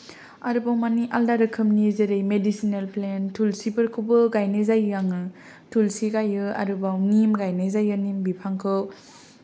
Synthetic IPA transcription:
aɾubawmaniʔaldaɾɯkʰɯmnizeɾɯjmedisinelplentʰulsibɯɾkʰubɯɡajnezajjaŋɯ | tʰulsiɡajɯa̰ɾubawŋimɡajnezajɯnimbipʰaŋkʰɯw

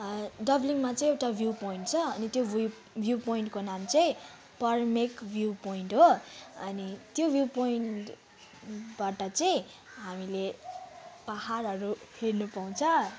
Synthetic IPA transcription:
ɖʌbliŋmat͡sʌĩewʈabʱjupoiɳʈt͡sʰʌːnit̪job | bʱjupoiɳʈkonamt͡sʌĩ | pʌrmekbʱjupoiɳʈɦoʌnit̪jobʱjupoiɳʈ | baʈʌt͡sʌjĩ | ɦamile | paɦarɦʌɾuhernupaw̃t͡sʰʌ

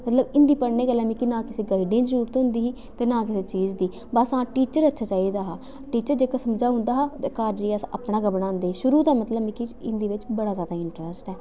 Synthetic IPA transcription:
mət̪ləbɪ̃nd̪iːpəɽneːɡəlːɛ̃ːmĩːkinãːkɪseːɡaːɪɖẽːd͡ʒəɾuːɾt̪ɦʊ̃nd̪iːɦiː | t̪eːnãːkɪseːt͡ʃiːd͡ʒd̪iː | bəsãːʈiːt͡ʃəɾətːʃʰaːt͡ʃaːiːd̪aːɦaː | ʈiːt͡ʃəɾd͡ʒeːkaːsəmd͡ʒaːɦʊ̃nd̪aːɦaːt̪eːkaːɾd͡ʒiːasa̰pɳãːɡəbɽãːnd̪eːʃʊɾuːt̪ɛ̃ːmət̪ləbmĩːkiɪnd̪iːʋɪt͡ʃbəɽaːzjaːd̪aːɪɳʈɾɛsʈɛː

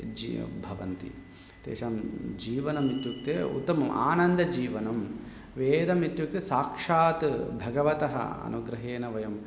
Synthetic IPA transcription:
d͡ʒḭbʱɐʋɐ̰nt̪ḭ | t̪ḛːʃaːmd͡ʒiːʋɐnɐmit̪juk̚t̪ḛːṵt̪ːɐmɐmʔa̰ːnɐnd̪ɐd͡ʒiːʋɐnɐm | ʋeːd̪ɐmit̪juk̚t̪esaːkʂaːt̪bʱɐɡɐʋɐt̪ɐɦɐ̰ɐ̰nuɡɾɐɦeːnɐʋɐjɐm

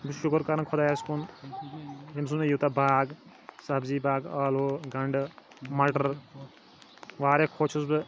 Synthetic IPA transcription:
bɨʃukəɾkɐɾnkʰɔd̪aːjaːskun | ɦims̬unejut̪abʱaːɡ | sɐbziːbaːɡaːloɡɐɳɖ | mɐʈɐɾ | ʋaːɾekʰoːt͡ʃʰusbɨ

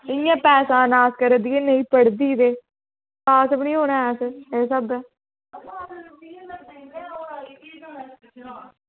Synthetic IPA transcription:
ɪjãːpɛːsãːnaːskəɾəd̪iːeːnəĩːpəɽd̪iːd̪eː | kaːsəpnĩːɦoːnaːɛːsəeːs̬əd̪ãː

